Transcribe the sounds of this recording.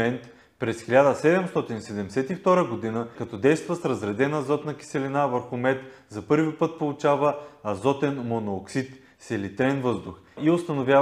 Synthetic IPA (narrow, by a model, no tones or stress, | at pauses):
ɛnt̪ | pɾɛsxilʲad̪əsɛd̪ɛmst̪ɔt̪inisɛd̪ɛmsɛt̪ift̪ɔɾəɡod̪inəkɐt̪ɔd̪ɛjst̪vəsɾɐzɾɛd̪ɛnəzɔt̪nɐkʲi̥sɛlinavəɾxʊmɛt̪ | zɐpɤɾvipɤt̪̚polˠʊt͡ʃavəɐzɔt̪ɛnmonoːksit̪ | sɛlit̪ɾɛnvɤzd̪ʊx | iost̪ɐnovʲja